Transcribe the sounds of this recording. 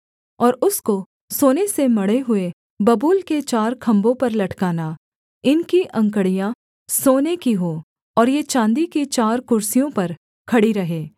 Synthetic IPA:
ɔːɾʊsko | soːnesemɐɽeɦʊe | bɐbuːlket͡ʃaːɾkʰɐ̃mbõpɐɾlɐʈkaːna | ɪnkiʔɐ̃ŋkəɽijã | soːnekiɦoː | ɔːɾjet͡ʃãːnd̪ikit͡ʃaːɾkʊɾsijõpɐɾ | kʰɐɽiɾɐɦeː

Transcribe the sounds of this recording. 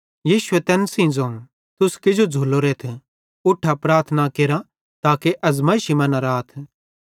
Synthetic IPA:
jiːʃʊet̪ɛːnsĩd͡zõː | t̪ʊskɪd͡ʒod͡zʱuloɾeːt̪ʰ | ʊʈʰːapɾaːɾt̪ʰnakeːɾa | t̪aːkeʔɐzmɐiʃimɐnaɾaːt̪ʰ

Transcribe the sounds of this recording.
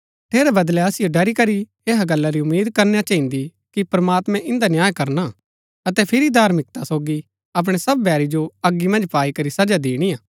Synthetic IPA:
ʈʰeːɾɛbɐd̪lɛɐsɪjoɖɐɾikɐɾi | eːɦaɡɐlːaɾiʊmːiːd̪̚kɐɾnejat͡ʃaɦĩnd̪i | kipɾmaːt̪mɛ̃ʔɪ̃nd̪anjaːjkɐɾna | ɐt̪ɛpʰɪɾid̪aːɾmɪk̚t̪asoːɡi | ɐp̬ɽ̃esɐbːʱɛːɾid͡ʒoɐɡimɐ̃nd͡ʒpaːikɐɾisɐd͡ʒad̪eːɽ̃ijaː

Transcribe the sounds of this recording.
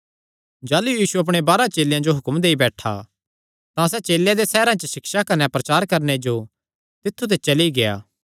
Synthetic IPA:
d͡ʒaːlujiːsuɐp̬ɽ̃ebaːɾat͡ʃeːljãd͡ʒoɦʊkmd̪eːibɛːʈʰa̰ | t̪ãsɛt͡ʃeːljãd̪esɛːɾãt͡ʃəʃɪksakɐnɛpɾɐt͡ʃaːɾkɐɾned͡ʒo | t̪ɪt̪ʰːut̪̬ʰet͡ʃɐliɡeja̰ː

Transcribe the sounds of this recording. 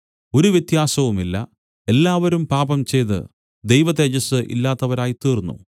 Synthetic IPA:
o̞ɾuʋjɐt̪jaːsɐʋumilːɐ̰ | e̞lːaːʋɐɾumpaːbɐmt͡ɕe̞jt̪ɨ̰ | d̪e̞jʋɐðed͡ʑɐsɨʔḭlːaːt̪ːɐʋɐɾaːjit̪iːrnːṵ

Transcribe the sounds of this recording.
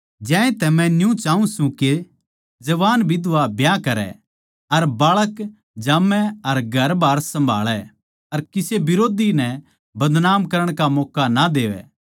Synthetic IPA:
d͡ʒãːẽt̪ɛmɛ̃njũt͡ʃaːũsũke | d͡ʒɐʋaːnbʱid̪ʊʋabʱjakɐɾɛ̰ | ɐɾbaːɭək | d͡ʒaːmɛɐɾɡʱɐɾbʱaːɾsɐ̃mbʱa̰ːɭɛ | ɐɾkɪsebɪɾoːd̪inɛ | bɐd̪naːmkɐɾəɽ̃kamɔːkanad̪eːʋɛ̰

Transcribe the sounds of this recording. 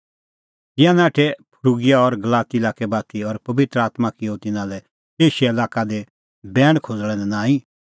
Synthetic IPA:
t̪ɪãnaːʈʰɛpʰʊɾuɡɪjaɔɾɡɐlaːt̪iɪlaːkɛbaːt̪iɔɾpɐʋɪt̪ɾəaːt̪makiot̪ɪnãlɛ | eːʃɛɐlaːkad̪ɛ | bɛːɽ̃kʰod͡zɭɛ̃nɛnãːĩ

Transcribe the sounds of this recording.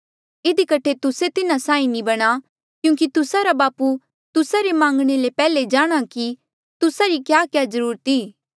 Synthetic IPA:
ɪd̪ikɐʈʰet̪ʊset̪ɪnasãːĩnĩbɐɽ̃a | kjũːk̬it̪ʊsaɾabaːpu | t̪ʊsaɾemãːŋɡɽ̃elepɛːled͡ʒaːɽ̃aki | t̪ʊsaɾikjaːkjaːzɐɾuːɾət̪iː

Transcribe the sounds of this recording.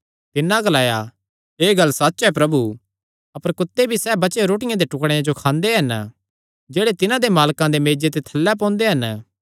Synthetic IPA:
t̪ɪnãɡɐlaːja | eːɡɐlːsɐt̪ːʃɦɛpɾɐbu | ɐpəɾkʊt̪ːebʱisɛːbɐt͡ʃeɾoːʈ̬ɪjãd̪eʈʊkɽ̃jãd͡ʒokʰãːnd̪eɦɐn | d͡ʒeːɽet̪ɪnãd̪emaːlkãd̪emeːd͡ʒet̪̬et̪ʰɐlːɛp̬ɔ̃ːnd̪eɦɐn

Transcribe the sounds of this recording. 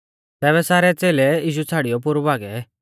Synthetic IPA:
t̪ɛːβɛsaːɾɛt͡seːlɛiːʃ̬ut͡sʰaːɽijɔp̬ʊɾubaːɡɛ

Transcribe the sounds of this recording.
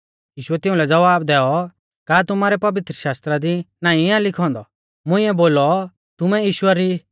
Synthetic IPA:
jiːʃʊɛt̪ɪ̃ʊ̃lɛd͡zɐʋaːbd̪ɛːɔ | kaːt̪ʊmaːɾɛpɐʋɪt̪ɾəʃaːst̪ɾad̪inãːĩãlɪkʰɔ̃ːnd̪ɔ | mʊ̃ɪ̃ɛboːlɔ | t̪ʊmɛjiːʃʊaɾi

